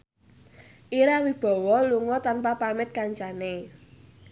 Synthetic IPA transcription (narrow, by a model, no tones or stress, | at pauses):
ʔiɾawib̥ɔ̤wɔluŋɔt̪anpapamɪt̪̚kaɲt͡ʃane